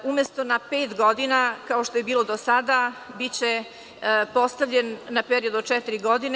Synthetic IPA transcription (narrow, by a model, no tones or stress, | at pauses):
umjest̪o̞napeːt̪ɡo̞d̪inakao̞ʃt̪oje̞biːlˠo̞d̪osad̪abit͡ɕe | po̞st̪aʋʎenːapeɾiod̪uot͡ʂɛt̪iɾiɡo̞d̪ine